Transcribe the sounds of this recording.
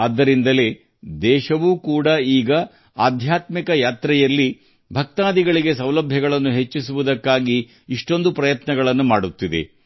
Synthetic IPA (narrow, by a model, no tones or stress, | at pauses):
ɐd̪ːɐɾind̪ɐle̞ː | d̪ɛːʃɐʋuːkuːɽɐiːɡɐ | aːd̪ʱjaːt̪mikɐjaːt̪ɾɛjɐlːi | bʱɐk̚t̪aːd̪iɡɐɭiɡe̞sɐwlɐbʱjɐɡɐɭɐnːuɦe̞t͡ʃːisuʋud̪ɐkːaːɡiː | ʂʈo̞nd̪upɾɐjɐt̪nɐɡɐɭɐnːumaːɽut̪ːid̪e̞̰